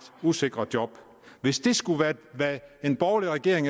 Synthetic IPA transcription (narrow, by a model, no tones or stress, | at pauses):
d̥use̝ɡ̥ʁɐd̥jɒ̽b̥ | ʋe̝sd̥e̝sɡ̥uʋæɐʋæe̝nb̥ɒʊliʁɛɡ̥e̝ɐ̰eŋ